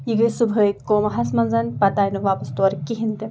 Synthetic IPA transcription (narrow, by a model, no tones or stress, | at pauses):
jiɡəjsubʱɦəikoːmɐɦɐsmɐnzɐnpɐt̪aːjnuʋaːpɐst̪ɐɾkiɦint̪e